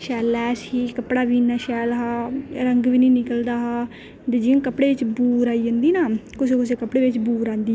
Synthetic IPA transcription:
ʃɛːlɛːsiːkəpɽaːʋiːnaːʃɛːlɦaːɾəŋɡʋiːniːnɪkəld̪aːɦaː | d͡ʒ̪ed͡ʒɪõːkəpɽeːʋɪt͡ʃbuːɾaːiːd͡ʒãːnd̪iːnaːkʊseːkʊs̬eːkəpɽeːʋɪt͡ʃbuːɾaːnd̪iː

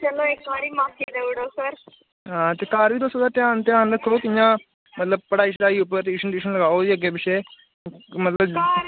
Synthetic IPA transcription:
t͡ʃəloːek̚baːɽiːmaːsiːd̪eʊɽoːsəɾ | ɦãːt̪eːkaːɾiːd̪osoːd̪aːʈ̪jãːnt̪ejãːnd̪əkʰəɾoːkɪjãː | mət̪ləb̚pəɽaːiːʃ̬ɾaːiːʊpəɾt̪iːʃənʈiːʃənləɡaːoːd͡ʒiːəɡeːbɪʃeː | mət̪ləb

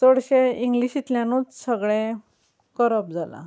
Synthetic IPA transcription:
toɽɕeiŋɡliɕit̪ljãnut͡ssəɡɭẽ | kəɾəp̚d͡zala̰

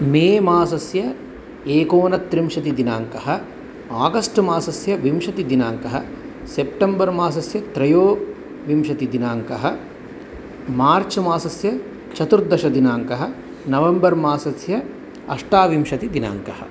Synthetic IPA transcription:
meːmaːsɐsjɐ | eːkoːnɐt̪ɾimʃɐt̪id̪inaːŋkɐɦɐ | aːɡɐsʈmaːsɐsjɐʋimʃɐt̪id̪inaːŋkɐɦɐ | sep̚ʈembɐɾmaːs̬ɐsjɐt̪ɾɐjoː | ʋimʃɐt̪id̪inaːŋkɐɦɐ | maːɾt͡ʃmaːsɐsjɐ | t͡ʃɐt̪uɾd̪ɐʃɐd̪inaːŋkɐɦɐ | nɐʋembɐɾmaːsɐsjɐ | ɐ̰ʂʈaːʋimʃɐt̪id̪ina̰ːŋkɐhɐ̰̆

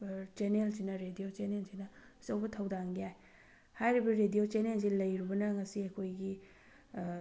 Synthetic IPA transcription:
t͡ʃenelsinɐɾedijot͡ʃenelsinɐ | sɐwbɐtʰɐwdaŋɡijaj | hajɾibɐɾedijot͡ʃenels̬ilɐjɾibɐnɐŋɐsiɐkʰojɡi

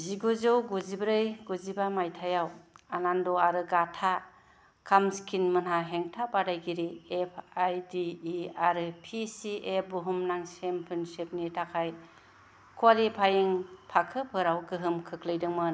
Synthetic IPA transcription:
ziɡuzɯwɡuzibɾɯjɡuzibamajtʰajawanandɔaɾɯɡatʰa | kʰamskʰinmɯnɦaɦeŋtʰabadajɡiɾiepʰajdiːaɾɯpʰisiebuɦumnaŋsempʰɯnsep̚nitʰakʰaj | kʰwalipʰajiŋpʰakʰɯpʰɯɾawɡɯɦɯmkʰɯkʰlɯjdɯŋmɯn

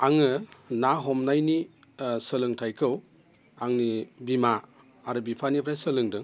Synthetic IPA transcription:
aŋɯnaɦɔmnajni | səlɯŋtʰajkʰɯw | aŋnibimaː | ɾɯbipʰanipʰɾajsəlɯŋdɯŋ

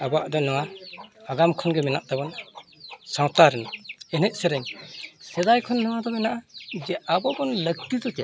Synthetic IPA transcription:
abaʔd̪ɔnɔwaaɡamkʰɔnɡɛmɛnaʔd̪abɔn | sawt̪aɾɯnɛnɛʔ̚sɛɾɛŋsɛd̪ajkʰɔnːɯwad̪ɔmɛnaʔad͡ʒɛʔabɔbɔnlək̚t̪id̪ɔkɛ

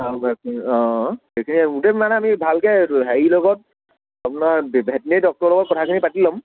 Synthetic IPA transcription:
sabʱakɔ̃ | ejkʰiniutɛmanɛamibʱalkɛɦɛilɔɡɔt̚ | apʊnaɹbbʱet̚nedɔk̚tɔɹlɔɡɔt̚kɔtʰakʰinipatilɔm

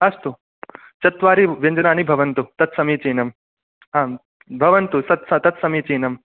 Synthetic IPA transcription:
ɐst̪u | t͡ʃɐt̪ʋaːɾiʋjɐɲd͡ʒɐnaːnibʱɐʋɐnt̪ut̪ɐt̪sɐmiːt͡ʃeːnɐm | ɦaː | bʱɐʋɐnt̪usɐt̪sɐt̪ɐt̪sɐmiːt͡ʃeːnɐm

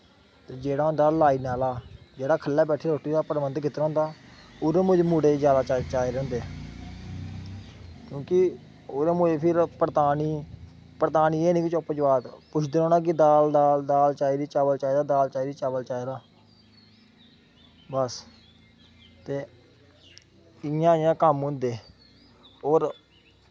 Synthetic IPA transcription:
t̪eːd͡ʒeːɽaːɦõnd̪aːlaːiːnaːlaːd͡ʒeːɽaːkʰəlːaːbɛːʈʰeːɾoːʈiːd̪aːpəɾʋənd̪kʰɪt̪ːɾ̃ːnd̪aːʊːɾeːmʊd͡ʒmuːɖeːd͡ʒjaːd̪aːt͡ʃat͡ʃaːeɾɛ̃ːõnd̪eː | kjõːkɪ | oːɾeːmʊeːpʰɪɾpəɾt̪aːniː | pəɾt̪aːniːeːniːkɪt͡ʃɔːpːət͡ʃbaːt̪pʊt͡ʃʰd̪ːɾoːnãːk̬ɪd̪aːld̪aːld̪aːlt͡ʃaːiːɾiːt͡ʃaːʋəlt͡ʃaːiːd̪aːd̪aːlt͡ʃaːiɾiːt͡ʃaːʋəlt͡ʃaːeːɾaː | bəs | t̪eː | ɪjãːɪjãːkəmɦʊ̃nd̪eː | oːɾ

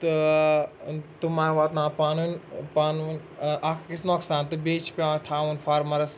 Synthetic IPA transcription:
t̪ɨ | t̪umaːʋaːt̪nãːpaːnunpaːnnʲ | ʔakʰkisnoːksaːnt̪ɨbeːt͡ʃʰpʲõt̪ʰaːunfʰaːɾmɐɾɐs

